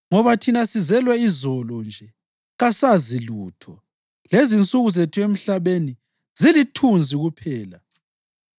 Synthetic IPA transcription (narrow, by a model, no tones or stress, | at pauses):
ŋɔβatʰinasizɛlwɛizɔlɔnd͡ʒʱɛ | ɣasaziluːtʰɔ | lezint͡sʼuɣuzetʰuem̩ɬaβeni | zilitʰund͡zʱiɣupʰɛːla